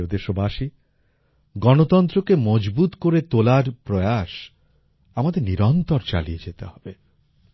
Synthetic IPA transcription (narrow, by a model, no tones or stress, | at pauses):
od̪eʃobaʃi | ɡɔnot̪ɔnt̪ɾokemɔd͡ʑbut̪koɾet̪olaɾpɾɔeaʃ | amad̪eɾniɾɔnt̪ɔɾt͡ɕa̰lied͡ʑet̪eɦɔbe